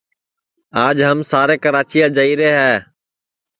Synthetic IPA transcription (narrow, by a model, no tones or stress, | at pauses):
aːd͡ʒɦəmsaːɾeːkəɾaːt͡ʃiːãːd͡ʒəiːɾeːɦɛː